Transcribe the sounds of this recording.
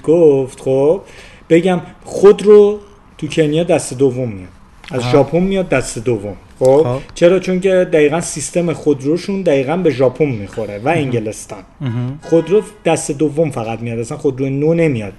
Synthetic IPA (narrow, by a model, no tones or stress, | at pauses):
ɡ̥oft̪χob̥̚ | b̥e̞ɟæmχod̪ɾo | t̪ʰucʰe̞njɒːd̪æst̪e̞d̪ovːo̞mːijɒ̰d̪̥ | æzʒɒːpʰonːijɒd̪̚ːæst̪e̞d̪ovːom | xobt͡ʃʰe̞ɾɒːt͡ʃʰo̞ŋcʰe̞d̪æiːɣænsist̪e̞mexod̪ɾoʃund̪æiːɣænbe̞ʒɒːpʰommːixo̞ɾevæeŋɟe̞le̞st̪ɒ̰nχod̪ɾod̪̥æst̪e̞d̪ovːo̞mfæɣæt̪mijɒd̪æsænxo̞d̪ɾojenone̞mijɒd̪̚